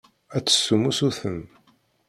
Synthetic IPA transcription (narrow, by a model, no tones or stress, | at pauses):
æt͡sːə̥sːumusuθən